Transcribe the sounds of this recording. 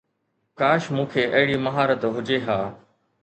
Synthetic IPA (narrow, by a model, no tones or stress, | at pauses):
kaːʃmũːkʰeːʔɐɦɪɽiːmɐɦaːɾət̪ɦʊd͡ʑeɦaː